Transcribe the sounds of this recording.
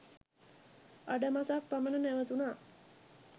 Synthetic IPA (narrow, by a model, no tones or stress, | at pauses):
aɖəmasakpamənənæʋət̪unaː